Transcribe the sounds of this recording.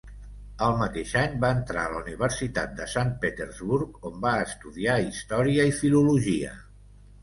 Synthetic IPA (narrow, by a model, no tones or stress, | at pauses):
əlˠmət̪eʃaɲbaənt̪ɾa̰ələuniβ̞əɾsit̪a̰t̪̚d̪əsanpet̪əɾzβuɾkombaəst̪uðiaist̪ɔɾiəifiluluʒiə̰